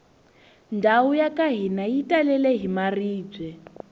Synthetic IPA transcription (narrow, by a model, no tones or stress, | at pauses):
ndʱaujakʼaɦinajitʼalɛlɛɦimariːd͡zwɛ